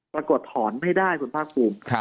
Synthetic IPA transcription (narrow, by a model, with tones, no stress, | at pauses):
pɾa˧ku˨˩ət̪ʰːɔː˩˦nma˥˩jdaː˥˩jkʰu˧˦npʰaː˥˩k̚pʰuː˧mʰ˧